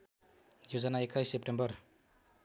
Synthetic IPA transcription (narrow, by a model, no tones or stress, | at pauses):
jod͡zʌnaekʰajsep̚ʈembʌr